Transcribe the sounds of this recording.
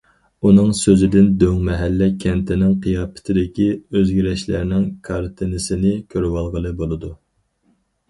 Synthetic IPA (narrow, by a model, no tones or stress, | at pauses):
unɨŋsøzɪd̪ɪnd̪øŋmɛɦælːɛkʲʰɛnt̪ʰɪnɪŋqʰijɑːpʰɪ̥t̪ʰɪd̪ɪkʲiøzɡʲiɾɛʃlæɾnɪŋkʰɑɾt̪ʰɨnɨsɪnɪkʲʰøɾwɑlˠʁəlˠɨbolˠɨd̪u